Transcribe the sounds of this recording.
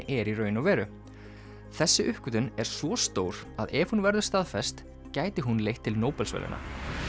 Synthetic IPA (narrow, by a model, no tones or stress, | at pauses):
ʔɛɾirœːɥnɔvɛːɾʏ | θɛsːɪʔʏhkʏt̪ʏnɛɾ̥svɔst̪oːwɾaðɛvhunvɛɾðʏ̥st̪aðfɛst̪ | caːjt̪ɪɦunlejht̪ʰːɪlnoːwpɛlsvɛ̰ːlɪ̰na̰